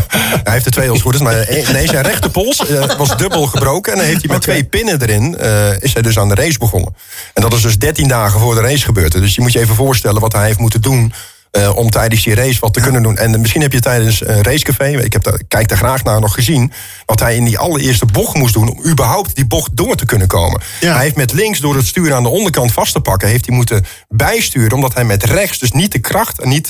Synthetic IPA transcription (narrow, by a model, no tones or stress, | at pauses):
ɛɦeftətʋejɔlˠsutətmanessɛnrɛxtəpolˠsʋɔzdøbəlˠɣəbrowkəɛndɔnɦejftimɛtʰʋejpɪnədəɾɪnəɪshɛjdøs̬aːndərejsbəɣɔ̰nə̰ | ɛndɔtɪsdøsdɛɹtindaːɣəvʊːrdərejsχəbøːrtədʏsjəmutjəejvənvoːɹstɛlˠənʋɔtɦɛjɦeftmutəndun | ʔɔmtɛjdənsirejsʋɔltəkønəndunʔɛ̰nmɪsχinɦɛpjətɛjdənsrejskafejɪ̰khɛp̚kːɛjk̚daxraːxnaːnɔxəzin | ʋɑtɦɛjɪndiʔɑ̰lˠəɹɪəɹstəbɔxmus̬dunɔ̰mybərɦɔwp̚tdibɔxdʊːrtəkønənko̰ːmə̰n | hɛjɦeftmɛtlɪŋksdʊːɾətstyːɾəaːndəɔndərkɑntfɑstəpɑkəɦeftimutə | bɛjstyːɾənɔmdɔtɦɛjmɛtrɛxsdøsnit̚dəkrɑxtɛnit